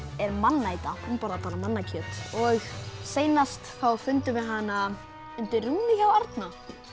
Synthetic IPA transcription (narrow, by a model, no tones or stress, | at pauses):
ɛɾmanːaːjt̪aumpɔɾðat̪ʰaːlamanːacʰœːt̪ɔɣseːjnast̪θawfʏnt̪ʏvɪðɦanːa | ʏnt̪ɪruːnɪçawaɾt̪na